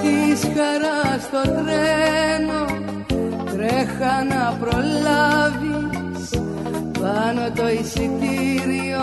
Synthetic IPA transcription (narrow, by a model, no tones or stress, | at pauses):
t̪iskɐɾɐst̪o̞t̪ɾeno | t̪ɾexɐnɐpɾolɐvi | s | pɐno̞t̪o̞isit̪iɾio